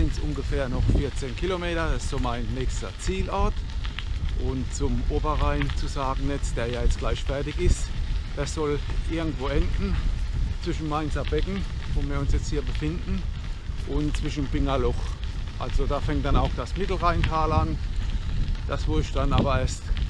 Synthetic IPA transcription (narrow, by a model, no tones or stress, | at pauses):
sɪntsʔʊnɡəfɛːɐnɔχfɪɐt͡seːnkʰilomeːɾɐdasɪ̥stz̥oːmaɪnːɛːçstɐt͡siːlɔɐt | ʔʊnt͡sʊmʔoːbɐʁaɪnt͡suzaːɡŋ̩nɛt͡sd̥eːɐjaːjɛt͡stɡ̥laɪʃfɛɐtɪçɪstd̥asz̥ɔlʔɪɐɡŋ̩tv̥oːɛndn̩t͡sv̥ɪʃn̩maɪnsabɛknŋ̩ | voːviːɐʊnsjɛt͡sthiːɐbəfɪndn̩ | ʔʊntt͡sv̥ɪʃn̩b̥ɪŋɐlɔχʔalzodaːfɛŋtd̥anaʊxd̥asmɪtl̩ʁaɪntʰaːlan | d̥asv̥oːɪʃd̥anaːbɐeːɐst